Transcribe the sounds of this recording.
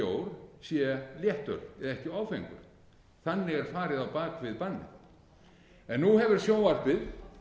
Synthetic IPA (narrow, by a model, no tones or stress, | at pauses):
oːwɾ̥sjɛljɛht̪œ̰ɾɛðɛhcɪaːwfejŋkʏ̰ɾ̥ | θanːɪɣɛɾ̥faːɾɪðawpaːkvɪðpanːɪ̰ð | ɛnːuhɛvɪɾ̥sjoːwaɾ̥pɪð